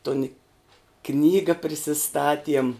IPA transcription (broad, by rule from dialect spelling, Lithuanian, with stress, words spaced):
toːn ɪ ˈknʲiːɡɐ pʲrʲɪsʲɪˈstɑːtʲiɛm